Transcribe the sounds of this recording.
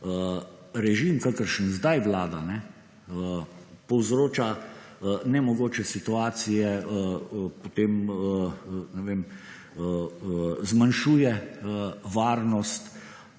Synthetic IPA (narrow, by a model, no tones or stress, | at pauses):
ə | ɾɛʒimkakəɾʃənzd̪ajʋlaːd̪anɛ | əpɔwzɾoːt͡ʃa | nɛmɔɡoːt͡ʃɛsit̪uaːt̪sijɛ | pot̪eːmənɛʋeːm | ə | zmanʃuːjɛəʋaːɾnɔst̪